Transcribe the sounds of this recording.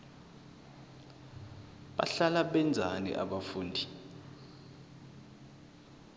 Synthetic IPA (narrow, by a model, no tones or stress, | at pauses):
ɓa̰ɬalaɓɛnd͡zʱanḭʔa̰ɓafuːndʱi